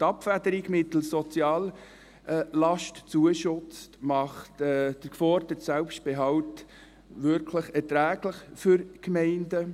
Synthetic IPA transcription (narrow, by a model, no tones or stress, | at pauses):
tɑpfædəɾiɡmɪtl̩sɔt͡sjɑːl | lɑʃtt͡suəʃʊt͡stmɑχtɛd̥əkfɔɾdətsælpʃt̚b̥eɦɑwt | ʋʏɾkʰləχɛɾtɾæːɡləχfʏɾkmɛɪndə